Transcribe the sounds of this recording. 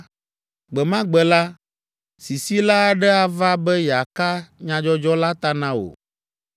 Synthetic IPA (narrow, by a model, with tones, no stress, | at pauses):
ɡ͡bɛ˨mã˦ɡ͡bɛ˨la˦ | si˨si˦la˦˨ɖɛ˦a˨va˦bɛ˦jɛ˨a˨ka˦ɲã˦d͡ʒɔ˦d͡ʒɔ˦la˦t̪a˦nã˦o̰˨